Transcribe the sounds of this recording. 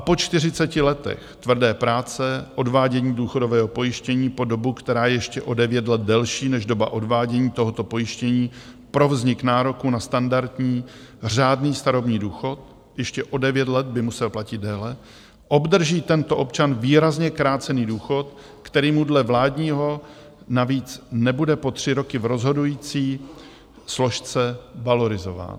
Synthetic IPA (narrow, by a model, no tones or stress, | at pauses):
ʔapo̞t͡ʃt̪ɪr̝ɪt͡sɛcɪlɛt̪ɛ̰xt̪vr̩dɛːpɾaːt͡sɛʔo̞dvaːɟɛɲiːduːxodo̞vɛːɦopo̞jɪʃcɛɲiːpo̞do̞bukt̪ɛɾaːjɛjɛʃcɛʔo̞dɛvjɛt̪lɛd̪̚dɛlʃiːnɛʒdo̞ba̰ʔo̞dvaːɟɛɲiːt̪o̞ɦo̞t̪o̞po̞jɪʃcɛɲiː | pɾo̞vzɲɪknaːɾo̞kunast̪andaɾt̪ɲiː | r̝aːdniːst̪aɾo̞bɲiːduːxo̞t̪̚ | jɛʃcɛʔo̞dɛvjɛt̪lɛt̪̚bɪmusɛlplacɪd̪̚dɛːlɛ | ʔo̞bd̪r̩ʒiːt̪ɛnt̪oʔo̞pt͡ʃanviːɾazɲɛkɾaːt͡sɛniːduːxo̞t̪ | kt̪ɛɾiːmudlɛvlaːdɲiːɦo̞ | naviːt͡snɛbudɛpo̞t̪r̝̥ɪɾo̞kɪvɾo̞zɦo̞dujiːt͡siː | slo̞ʃt͡sɛvalo̞ɾɪzo̞va̰ːn